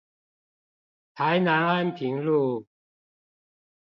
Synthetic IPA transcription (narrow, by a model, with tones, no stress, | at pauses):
t̪ʰa˨˦ɪna˨˦na˥˧˨npʰi˨˦ŋlu˥˧